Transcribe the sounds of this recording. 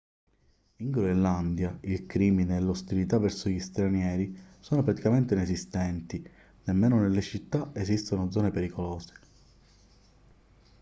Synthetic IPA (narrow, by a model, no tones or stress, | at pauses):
iŋɡɾoeland̪jailkɾiːmineːlːost̪ilit̪avːɛɾsoʎist̪ɾanjɛːɾisɔːnopɾat̪i̥kament̪enezist̪ɛnt̪i | nemːeːnonelːet͡ʃit̪ːaezist̪onod̪zɔːnepeɾikolɔːze̥